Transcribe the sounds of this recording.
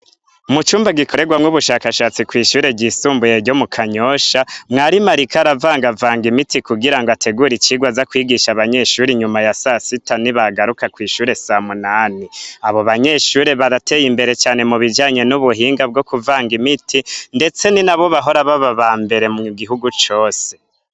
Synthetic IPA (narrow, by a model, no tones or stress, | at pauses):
umut͡ʃuːmbaɡikʰo̞ɾe̞ɡwamŋuβuʃaːkaʃaːt͡sikwiːʃuːɾe̞bɟisuːmbuje̞ɾɟo̞mukʰaɲoʃamŋaːɾimaɾikaɾavaːŋɡavaːŋɡimitikuɡiɾaŋɡoatʰe̞ɡuɾit͡ʃiɡwazakwiːɡiʃaβaɲe̞ʃuːɾiɲumajasasitaniβaɡaɾukakwiːʃuːɾe̞samunaːniaβo̞βaɲe̞ːʃuːɾe̞βaɾate̞ːjimbe̞ɾe̞t͡ʃaːne̞muβid͡ʒaːɲe̞nuβuɦiːŋɡab̚ɡo̞kuvaːŋɡimitinde̞t͡se̞ninaβo̞βaɦo̞ɾaβaβaβaːmbe̞ɾe̞muɡiɦuɡut͡ʃo̞ːse̞